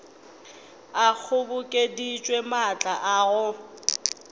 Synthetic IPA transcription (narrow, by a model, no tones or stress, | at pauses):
ak͡xʰʊbʊkʼedit͡ʃʼwemat͡ɬʼaʔaːɣʊ